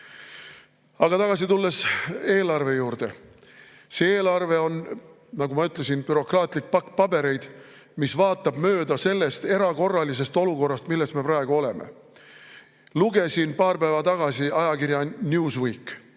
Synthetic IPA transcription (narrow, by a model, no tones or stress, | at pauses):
ɑɡ̥ɑt̪ɑɡ̥ɑs̬it̪ulːe̞se̞ːlɑrve̞juːrd̪̥e̞ | seeːlɑrve̞o̞n | nɑɡumɑyt̪ˑle̞sinpyɾo̞krɑːt̪ˑlik̚pɑkːˑpɑbe̞ɾe̞jd̪̥ | misvɑːt̪ːˑɑbmø̞ːd̪ɑse̞lːe̞st̪e̞ɾɑko̞rːɑlise̞st̪o̞luko̞rːɑst̪milːe̞st̪me̞pɾrɑeɡ̥uo̞le̞mḛ | luɡ̥e̞sinpɑːrpæːvɑt̪ɑɡ̥ɑsiɑjɑkirjɑnʲjuːswiːk